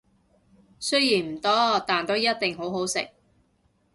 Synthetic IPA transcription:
sɵ˥ɥjiː˨˩nm̩˨˩t̪ɔː˥t̪aː˨nt̪o˥wjɐ˥t̚t̪ɪ˨ŋɦo˨˥wɦo˨˥wsɪ̰˨k̚

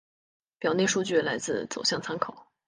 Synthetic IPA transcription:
pjɑ˨˩ʊne˥˧ɪʂu˥˧t͡ɕy˥˩la˧˥ɪt͡sɹ̩˥˩t͡so˨˩ʊɕjɑ˥˩ŋt͡sʰa˥nkʰo˨˩˦ʊ

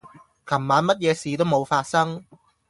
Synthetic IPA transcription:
kʰɐ˨˩mːaː˨˥nmɐ˥t̚jɛː˨˧siː˨t̪o˥wmo˨˧wfaː˧t̚sɐ˥ŋ

